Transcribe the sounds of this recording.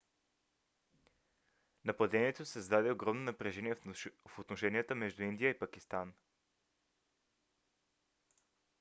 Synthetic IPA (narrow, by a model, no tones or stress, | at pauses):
nɐpɐd̪ɛniɛt̪osəzd̪ad̪ɛoɡɾɔmnonɐpɾɛʒɛniɛfot̪noʃɛniət̪əmɛʒd̪uind̪ijəipɐkist̪an